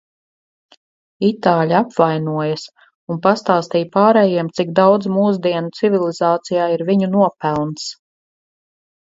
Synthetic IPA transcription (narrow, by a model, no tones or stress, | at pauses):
it̪aːlʲaapvajnuɔjas | unpast̪aːst̪ijpaːɾɛːjiɛmt̪sik̚d̪awd̪zmuːsd̪iɛnut̪sivilˠizɑːt̪sijaːiɾviɲunuɔpælˠns